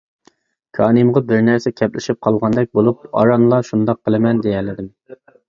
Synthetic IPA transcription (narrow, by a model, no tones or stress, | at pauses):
kʰɑːnɨmʁɑbɪɾnæɾsɛkʲʰɛplɪ̰ʃip̚qʰɑlˠʁɑnd̪ɛk̚ʲbolˠup̚ɑ̰ɾɑnlˠɑʃund̪ɑqʰːəlˠɨmɛnd̪ejɛlɪd̪ɪm